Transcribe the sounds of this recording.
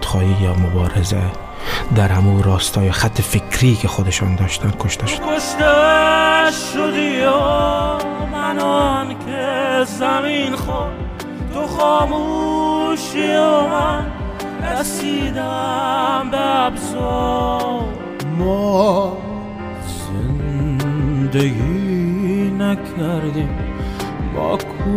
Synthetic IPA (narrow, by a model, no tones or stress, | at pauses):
t̪ʰːɪ̥χɒd̪ijɒmobɒːɾezḛ | d̪aɾhamuɾɒːst̪ʰɒjɒχat̪ʰːɪfekʰɾikʲʰeχod̪aʃɒnd̪ɒʃt̪ʰankʰoʃt̪ʰaʃʰoʃt̪a | ʃod̪io | mænɔnkʲʰezaminχɔ | t̪ʰoχɔːmu | ʃioman | ɾasid̪a | mbeabzɔ | mɔ | zḛnd̪eɡi | nækʰaɾd̪im | bɔ̰kʰu